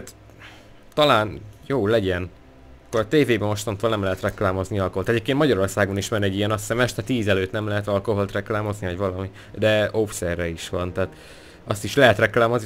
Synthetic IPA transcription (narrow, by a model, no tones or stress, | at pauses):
at̪ | t̪ɒlaːnjoːlɛɟɛn | ɒkːoɾɒt̪eːveːbɛmoʃt̪ont̪oːlnɛmlɛɦɛt̪rɛklaːmo̞zniɒlkoɦolt̪ɛɟeːpkenmɒɟɒɾo̞rsaːɡoniʃmɛnɛɟijɛnɒsɛmɛʃt̪ɛt̪iːzɛløːt̪nɛmlɛɦɛt̪ɒlko̞ɦo̞lt̪rɛklaːmo̞znivɒɟvɒlɒmi | d̪ɛofsɛrːɛiʃʋɒnt̪aːt̪ | ɒst̪iʃlɛɦɛt̪rɛklaːmo̞zn